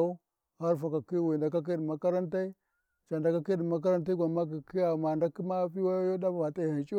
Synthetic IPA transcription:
ha˦ɾfa˨ka˨ki˦wi˨da˨ka˦k̬i˦ɗi˨ma˦ka˦ɾa˦nta˦i˦ | t͡ʃa˨nda˨ka˦ki˦ɗi˨ma˦k̬a˦ɾa˦nt̬a˦i˦ɡʷa˨ma˦k̬i˨ki˦ja˨ma˨nda˦ki˦ma˦pi˦wa˦jo˦da˦ba˨ba˨ta˨hi˨nt͡ʃi˦

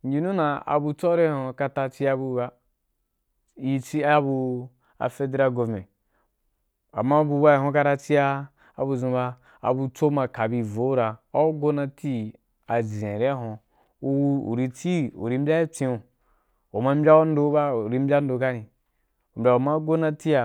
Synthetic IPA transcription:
n̩˦d͡ʒi˦nũ˦na˨a̰˨bu˧t͡so˦ɾe˦hõ˧ka˧ta˧t͡ʃi˦a˧bu˦ba˦ | i˦t͡si˦a˦a˦bu˧ | a̰˨fe˦de˦ɾa˦ɡo˧vme˨ | a̰˨mːa˦bu˧ba˦i˨ɦõ˦ka˧ɾa˧t͡si˦aː˦˨ | bu˧zũ˧ba˧ | a̰˨bu˧t͡so˦ma˧ka˨bi˧˨vo˨˦ɾa˨a˦ɡo˦na˧ti˦ | a˨zẽ˨ɾe˦ɦõ˧ | u˧wu˦ṵ˨ɾi˧t͡si˦ṵ˨ɾi˧˦m̩˦bʲa˦i˦t͡sĩ˧u˨ | o˨ma˦m̩˦bʲa˦u˦n̩˦do˦ba˦u˨ɾi˦˧m̩˦bʲa˦n̩˦do˨˧ka˦nĩ˨ | u˨m̩˨bʲa˨o˨ma˦ɡo˦na˧ti˦a˨

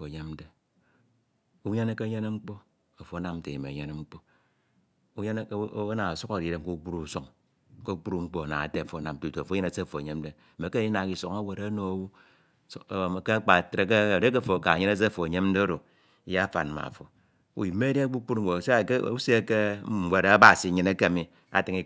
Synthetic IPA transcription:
o˨ɲe˦m̩˦de˦ | u˦ɲe˦ne˦ke˦ɲe˦ne˦ŋ͡m̩˦k͡po˦ | a˨fo˨a˦na˦m˦te˨i˨mḛ˨ɲe˦ne˦ŋ͡m̩˦k͡po˦ | u˦ɲe˦n˦na˨a˨su˦ka˨ɾi˨ɾe˦m̩˦ku˦k͡pu˦ɾu˦˨so˦ŋ | ko˦k͡pu˦ɾu˦˨ŋ͡m̩˦k͡po˦a˨na̰˨ŋa˨te˦a˨fo˨˦a˦na˨m˨to˨fo˦e˦ne˦se˦a˨fo˨e˨ɲe˦mn̩˦de˦˨e˨˦ke˦i˦na˨ki˨so˨ŋa˦we˨ɾe˦no˨o˨wu˦˨ | ke˦a˦k͡pa˨tɾe˦ke˦˨de˦k̬e˦˨fo˨ka˨ɲe˦ne˦s̬e˦˨fo˨a˨ɲe˦mn̩˦de˦o˦ɾo˨ | i˦ja˦a˦fa̰˨n˨ma̰˨fo˨ | ṵ˨ji˨me˦de˦a˦ɡ͡bu˦k͡pu˦ɾŋ͡m̩˦˨e˨se˦˨˦u˦se˦ke˦˨˦wʷe˨ɾa˦ba˨si˨ɲɨ˦ne˦ke˦a˨mi˦ | a̰˦˨tɨ˦ŋi˦

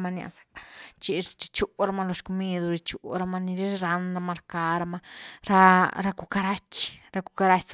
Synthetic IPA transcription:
ma˧nja̰˧sḁ˨kt͡ʃi˧t͡ʃi̥˧t͡ʃu˦ɾa˧ma˧lo˧ʃku˧mi˧d̪u˧ɾi˧t͡ʃu˨ɾa˧ma˧ni˧ɾi˦ɾa˧nɾa˧ma˧ɾka˧ɾa˧ma˧ɾa˧ɾa˧ku˧ka˧ɾa˦t͡ʃɾa˧ku˧ka˧ɾa˧t͡ʃs

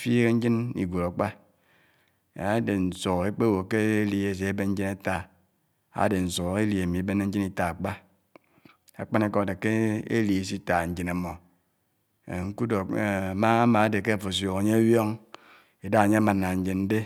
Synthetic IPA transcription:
fi˦ɣe˦ɲ̩˦d͡ʒi˦nḭ˨ɡʷo˨ɾa˨k͡pa˦ | a˨˦de˨n̩˨so˨e˦k͡pe˦wo˨ke˦e˦li˨e˦˨s̬e˨˦be˦n̩˦d͡ʒi˦na˦ta˦ | a̰˨˦de˨n̩˨so˨ɣe˦li˨e˨mi˨e˨˦be˦ne˦ɲ̩˦d͡ʒi˦ni˦ta˨a˨k͡pa˦ | a̰˨k͡pa˦ne˦ko˦a˨de˨ke˦ḛ˦li˨e˨˦s̬i˦ta˨ɲ̩˦d͡ʒi˦na˨mo˨ | ŋ̩˦ku˦do˨kma˦a˦ma˨a˦de˨ke˦a˨fo˨sjo˨ɣa˨ɲe˦a˦wjo˦ŋ | e˨da˦ɣɲe˦a˦ma˨nːa˨ɲ̩˦d͡ʒi˨nn̩˦de˦

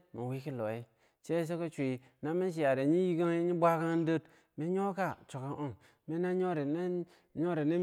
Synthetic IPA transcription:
me˨wi˦ki˦lo˨i˦ | t͡ʃe˦s̬o˦ko˦t͡ʃʷi˨ | na˦me˦nʃ̬i˨ja˨ɾe˨ɲi˦ji˦ɡa˦ŋ˦i˦ɲi˦bʷa˦ka˦ŋ˦n˦də˦t | me˦ɲo˦ka˦t͡ʃo˨ka˦ŋo˦ŋ | me˦na˦ɲo˦ɾe˨n˦ | ɲo˦ɾe˨ne˦

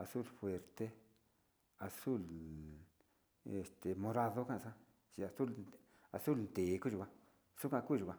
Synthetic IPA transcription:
a˨˧su˦˨lfwe˧ɾt̪e˦ | a˨su˦˨l | e˨st̪e˨mõ˧ɾa˧ðo˦kã˦ʔsã˦ | t͡ʃi˧a˧˨su˦˨l | a˧su˦lnt̪e˨˦ku˦ʒu˧˨ã˧ | su˦kʷã˦˧kʷi˦˨ʒu˨ã˧

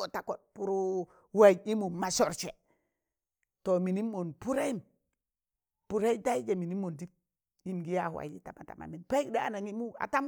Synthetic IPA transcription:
o˨ta˨ko˨t̚pu˦ɾu˦ | wa˦˨i˦mu˨ma˨sɔ˨ɾt͡ʃɛ˨ | to˨mi˨ni˦mːo˨npu˦ɾe˦i˦m | pu˦ɾe˦ta˦i˦d͡ʒa˨mi˨ni˦mːo˨ndi˦p̚ | i˨mɡi˦ja˦˨hwa̰˨d͡ʒi˦ta˨ma˨ta̰˨ma̰˨mi˨npa˦kda˦a˨na˨ŋi˦mu˦a̰˨ta˦m

